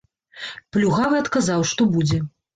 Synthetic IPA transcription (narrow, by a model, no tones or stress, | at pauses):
plʲuɣavɨɐt̪kazawʂt̪ɔbud͡zʲɛ